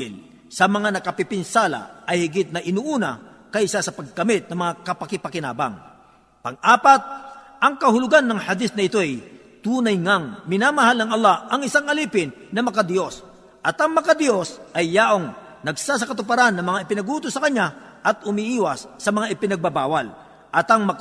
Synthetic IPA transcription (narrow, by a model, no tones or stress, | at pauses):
ɪl | sɐmɐŋanɐkɐpɪpɪnsaːlɐ̰ʔɐjhɪɡɪt̪̚nɐʔɪnuʔuːnɐ̰kɐjɪsasɐpɐɡ̚kɐmɪt̪̚nɐmɐŋakɐpɐkɪpɐkɪna̰ːbɐ̰ŋ | pɐŋʔaːpat̪̚ | ɐŋkɐhʊlʊɡanːɐŋhɐd̪isnɐɪt̪o̞ɛj | t̪uːnɐjŋaŋmɪnaːmɐɦalnɐŋɐlˠːahʔɐŋɪsaŋɐliːpɪnːɐmɐkad̪ɪjo̞s | ʔɐt̪ɐŋmɐkad̪jo̞sʔɐjːaːʔoŋ | nɐɡsas̬ɐkɐt̪ʊpɐɾanːɐŋmɐŋaɪpɪnɐɡuːt̪osɐkɐɲːa | ʔɐt̪̚hʊmiʔiːwɐsːɐmɐŋaʔɪpɪnɐɡ̚babaːwɐl | ʔɐt̪ɐŋmɐ